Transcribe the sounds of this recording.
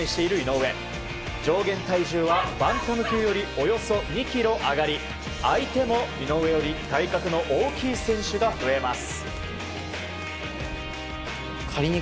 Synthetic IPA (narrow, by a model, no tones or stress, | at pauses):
ẽɕi̥t̪e̞iɾɯ̟ino̞ːe̞ | d͡ʑo̞ːɡẽ̞nt̪aiʑɨːβabãnt̪o̞nokʲɨːjo̞ɾʲio̞jo̞so̞ɲ̟ikʲiɾo̞ʔaɡaɾʲi | ait̪e̞mo̞ino̞ːɯβe̞jo̞ɾʲit̪aikakɯ̟no̞ʔoːkʲiːsẽ̞ɰ̃ɕɨɡaɸɯ̟e̞masɨ̥ | kʰaɾʲiɲi